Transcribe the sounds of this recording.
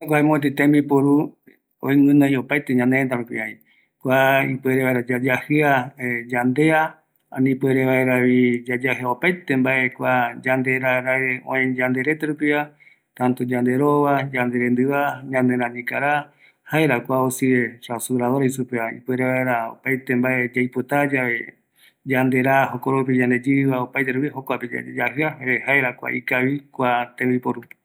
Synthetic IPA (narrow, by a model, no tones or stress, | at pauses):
akʷaemõt̪̬it̪ẽmbipoɾu | õ̰iwɨ̃nõiopajt̪eɲãnent̪aɾupiaĩ | kʷaipweɾeβaeɾad͡ʒad͡ʒahɨad͡ʒand̪e̞a | ã̰nĩpweɾeβaeɾaβid͡ʒad͡ʒahɨaopajt̪embaʔe̞kʷad͡ʒand̪e̞ɾaɾaɾeõẽd͡ʒand̪e̞ɾe̞t̪eɾupia | t̪ãnt̪od͡ʒand̪eɾoβad͡ʒand̪eɾend̪ɨβaɲãnd̪eɾãɲĩkaɾa | haeɾakʷaosieɾasuɾaoɾajsupeaḭpeɾeβaeɾao̰pajt̪e̞mbae̞d͡ʒajpot̪ad͡ʒaβe̞ | d͡ʒand̪e̞ɾaɦokoɾopid͡ʒand̪ed͡ʒiβaopajt̪eɾupiɦokʷaped͡ʒa̰d͡ʒahɨaehaeɾakʷa̰ʔikaβikʷat̪ẽmbipoɾup